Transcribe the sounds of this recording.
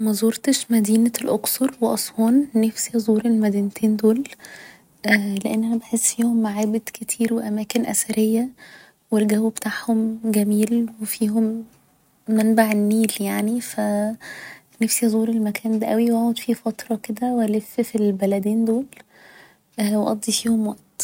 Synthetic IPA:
mæzˤoːɾt̪eʃmæd̪iːnælʔoksɑɾˤweʔɑsˤwɑːnːæfsihzˤuːɾelmæd̪iːnt̪ʰeːnd̪oːl | ʔleʔenːæhæbeħesːfiːhomːaʕeːbed̪̥ket̪ʰiːɾweʔæmæːkenʔæ̰sæɾejːæ | welɡæwːbet̪aʕhomɡæmiːlwefiːhomː | ænbaʕenːiːljaʕnifæ | næfsizˤuːɾelmækʰæːnd̪æʔæwiwæʕod̪fifæt̪ɾˤɑked̪æwælefːfilbælæd̪eːnd̪oːl | ʔweʔɑd̪ˤːifiːhomwæʔt̪

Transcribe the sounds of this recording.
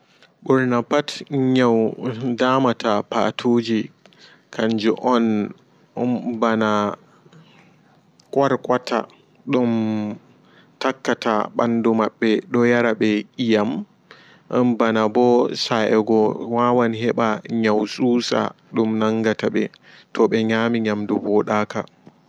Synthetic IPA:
ɓɔɾnapatɲawdaːmatapa̰tʰoːd͡ʒi | kʰaɲd͡ʒṵʔɔn | bana | kʼwaɾkwatʰa̰ | ɗum | takːataɓa̰ndumaɓːɛɗɔjaɾaɓɛʔijam | ʔɔnbanabɔsaʔɛɡɔwaːwanɦɛɓaɲawsuːsa̰ | ɗumnaŋɡataɓɛ | tɔɓɛɲaːmiɲamdubɔɗaːka

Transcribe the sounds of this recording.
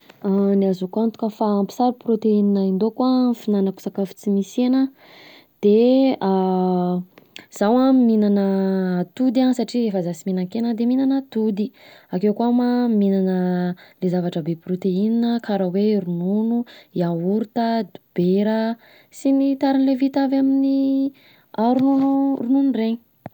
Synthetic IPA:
aniazukant̪u̥kəfaːmpi̥saɾuprot̪eininaind̪okwafinanəku̥sakafu̥t͡simisenə | d̪̥ea | z̥awaminanət̪ud̪ansaʈ͡ʂiefəzasiminaŋkenəd̪eminanət̪ud̪iakewkamaminanəlezavaʈ͡ʂəbeprot̪eininəkaɾaweɾununuiauɾt̪əd̪ub̥eɾə | sinit̪aɾinlevit̪avamini | aɾunurununreɲi̥

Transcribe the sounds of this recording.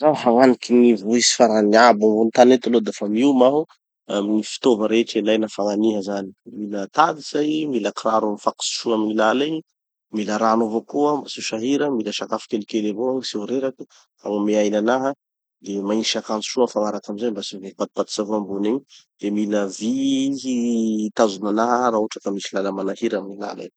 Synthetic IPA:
zahaŋanikinivuisi̥faɾaniabambunt̪anet̪alod̪afamiumaɦu | aminifi̥t̪ovəɾeeʈ͡ʂilajnafaŋaniɦəzani̥milət̪ad̪iz̥ajmiləkraɾamifaku̥si̥ʃuaminilala | miləɾanovokuəmbasuʃaɦiɾəmiləʃakafi̥kelikelevosioɾeɾakə | aŋameajnanaɦə | d̪emaiʃakant͡su̥ʃuanfanaɾakamizajmbasivepat̪̚pat̪i̥savoamboneɲd̪̥emiləvi | t̪azunanaɦəɾaoʈ͡ʂakəmisilaləmanahiɾaminila̰la̰

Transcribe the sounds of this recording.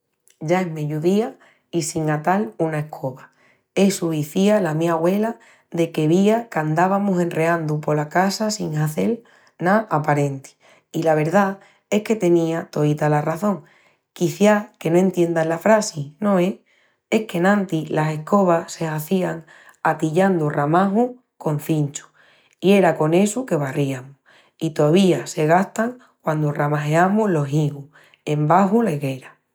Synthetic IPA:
ʝaeɦmeʎuðia | isiŋat̪alunae̞hkʰo̞βa | e̞suiθialamĩaɣwe̞la | ðe̞ke̞βiakand̪aβamusẽ̞nre̞ãnd̪upo̞lakasasiŋaθe̞l | naʔapaɾẽ̞nt̪i̥ | ilaβ̞e̞ɾða | e̞hke̞t̪e̞nĩat̪o̞it̪alaraθõ̞ŋ | kiθjake̞noẽ̞nt̪je̞nd̪alafɾasinõ̞e | e̞hke̞nãnt̪ilase̞hko̞β̞ase̞aθiaŋ | at̪iʎand̪uramaɦu | ko̞n̟θint͡ʃu̥ | ie̞ɾako̞ne̞suke̞βariamu | it̪o̞aβiase̞ɣ̞aht̪aŋ | kwand̪oramaɦeamuɦlo̞ɦiɣu | e̞mbaɦulaiɣe̞ɾa

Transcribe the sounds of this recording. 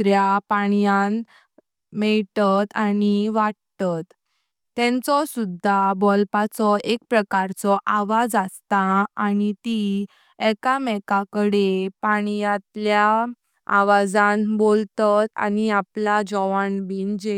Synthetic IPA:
ɾjapaɳjan | mɛɭt̪at̪aniʋaɽt̪at̪ː | ɛ̃nt͡sɔsud̪ʱːabɔlpat͡sɔʔek̚pɾəkaɾt͡sɔʔaʋad͡zast̪aanit̪i | ɛkamɛkakəɽepaɽ̃jãt̪lja | a̰ʋad͡zãnbolt̪at̪a̰niaplad͡ʑɔʋaɳbiːnd͡ʑe

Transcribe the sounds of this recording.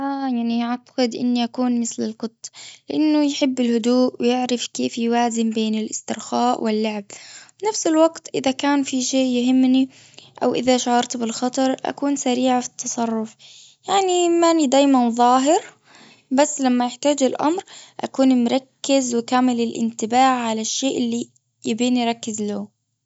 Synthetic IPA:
ʔajaʕniaʕt̪ɑ̥qɪd̪ʔɪ̰nːiʔakuːnmɪθlɪlqʊt̪ˤːlɪʔanːʊjħɪbːɪlhʊd̪uːʔwɪjɪʕɾɪfkeːfjʊwaːzɪmbeːnɪlʔɪst̪ɪɾxaːʔwɪlːʊʕɪbbɪnafsɪlwɑɡt̪ʔɪðakaːnfiʃeːʔjʊɦɪmːni | ʔa̰wʔɪðaʃaʕɑɾˤt̪bɪlxɑt̪ˤɑɾˤʔa̰kuːnsaɾiːʕafi̥t̪ʰːɑsˤɑrˤːʊf | jaʕnimanid̪aːjmanðˤɑːɦɪɾ | basːlamːajɪħt̪aːd͡ʒɪlʔa̰mɾʔa̰kuːnmɾˤɑkːɪzwɪkaːmɪlɪlʔɪ̰nt̪ɪbaːʕʕalaʃːeːʔɪlːi | jɪbiːniɾˤɑkːɪzlaː

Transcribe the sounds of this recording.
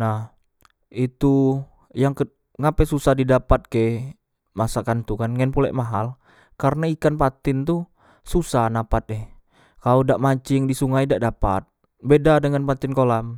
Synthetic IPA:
nah | it̪u | jaŋkə | ŋapɛsusahdidapat̪̚ke | masakant̪ukanŋɛnpulɛ̰ʔmaɦal | kaɾənaikanpat̪ɪnt̪u | susanapat̪̚ɛh | kalodaʔmaɲt͡ʃɪŋdisuŋajdaʔdapa̰t̪̚ | bedadəŋanpat̪ɪnkolam

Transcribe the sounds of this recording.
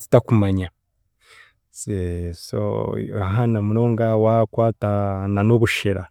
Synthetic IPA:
zi̥takumaɲa | seso̰aɦanamuɾoːŋɡawakwaːtananoβuʃeɾa

